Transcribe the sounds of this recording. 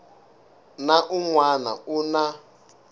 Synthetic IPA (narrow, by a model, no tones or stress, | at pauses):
naʔuŋwana̰una